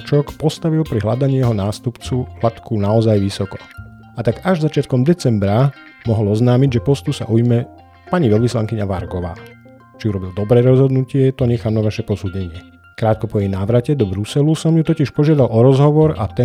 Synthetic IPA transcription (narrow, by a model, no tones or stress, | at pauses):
t͡ʃɔkpɔst̪aʋilpɾiɦlad̪aɲijɛɦɔnaːst̪upt͡sulat̪kunaɔzajʋisɔkɔ | at̪aɡaʒzat͡ʃɪat̪̚kɔmd̪ɛt͡sɛmbɾa | mɔɦɔlɔznaːmiɟʒɛpɔst̪usa̰ʔujmɛ | paɲiʋɛlʋislaŋkiɲaʋaɾɡɔʋa̰ː | t͡ʃiuɾɔbild̪ɔbɾɛːɾɔzɦɔd̪nucɪɛt̪ɔɲɛxaːmnaʋaʃɛpɔsudɲɛɲɪɛ | kɾaːt̪̚kɔpɔjɛjnaːʋɾacɛd̪ɔbɾusɛlusɔmjut̪ɔciʃpɔʒɪad̪alʔɔɾɔzɦɔʋɔɾa̰t̪ɛ